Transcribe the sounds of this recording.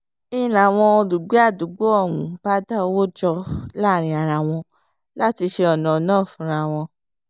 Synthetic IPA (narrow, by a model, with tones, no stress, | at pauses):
ĩ˦˧˦la˨w̃ɔ̃˧du˨ɡ͡be˨˦a˦˨du˨˦ɡ͡bo˦ɔ˦˨ɾṵ̃˨˦ba˦da˦˧wo˦d͡ʒɔ˧la˦˨ɾ̃ĩ˧˦a˨ɾa˧w̃ɔ̃˧ | la˦ti˧ʃe˧ɔ˨nɔ̃˨˦nãː˦˨fũ˨˦ɾ̃a˧˨w̃ɔ̃˧